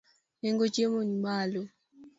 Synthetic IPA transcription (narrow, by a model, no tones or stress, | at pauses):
ɛŋɡot͡ʃemonimaːlɔ